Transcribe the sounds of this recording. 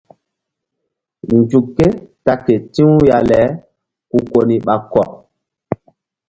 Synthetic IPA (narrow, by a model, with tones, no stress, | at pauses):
n˨d͡ʒu˨kːe˦ta˦ke˨tĩ˦ja˨lɛ˨˦ | ku˨ko˨ni˨ɓa˨kɔ˨